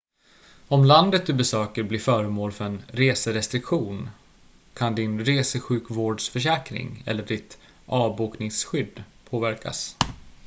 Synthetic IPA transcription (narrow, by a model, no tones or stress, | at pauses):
ɔmland̪ət̪̚d̪ɵbɛsøːkəɾbliːɾfœːɾəmoːlfœɾɛnɾeːsəɾɛst̪ɾɪkɧuːn | kʰand̪ɪnɾeːsəɧʉ̟ːkvoːɖʂfœʂɛːkɾɪ̰ŋɛ̰lːəɖɪt̪ | ʔɑːbuːknɪŋsɧʏd̪pʰoːvæɾkʰa̰s